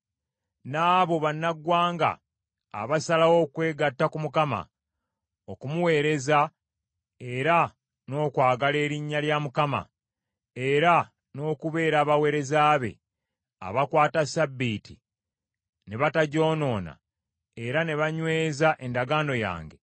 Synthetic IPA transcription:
naːβo̞βanːaɡwaːŋɡa̰ː | βasalawo̞ːkwe̞ːɡatːakumukama̰ | okumuwe̞ːɾe̞za | eɾa | no̞ːkwaːɡale̞ːɾiɲːaljamukama̰ | eɾa | no̞ːkuβe̞ːɾaːβawe̞ːɾe̞zaːβe̞̰ | a̰βakwaːtasabːiːtḭ | ne̞βataɟo̞ːno̞ːna̰ | e̞ɾane̞βaɲwe̞ːzaʔe̞ndaɡaːno̞ja̰ːŋɡe̞̰

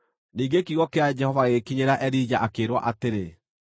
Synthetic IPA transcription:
niːɡekiɣɔkead͡ʑɛhɔvaɣekiɲeɾaʔɛɾid͡ʑaʔakeːɾwɔ̰ʔateɾe

